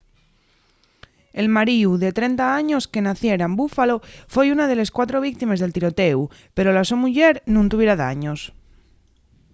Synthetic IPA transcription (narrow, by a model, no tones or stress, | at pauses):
e̞lmaɾiuðe̞t̪ɾe̞nt̪aaɲo̞ske̞naθje̞ɾambufalo̞fwe̞junað̞e̞le̞skwat̪ɾo̞β̞ik̚t̪ime̞zð̞e̞lt̪iɾo̞t̪e̞u | pe̞ɾo̞lasumuʎeɾnũnt̪uβjeɾaða̰ɲo̞s